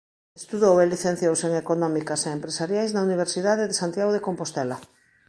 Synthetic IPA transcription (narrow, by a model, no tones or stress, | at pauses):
est̪uðoweliθẽn̟θjowseŋekonɔmikaseempɾesaɾjajznauniβ̞eɾsiðaðeðesant̪jaɣoðekompost̪ɛla